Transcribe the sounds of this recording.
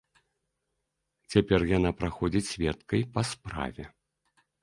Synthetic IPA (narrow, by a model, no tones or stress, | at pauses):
t͡sʲapʲɛrjanapɾaxɔd͡zʲit͡sʲsʲvʲɛt̪̚kɐjpɐspɾa̰vʲɛ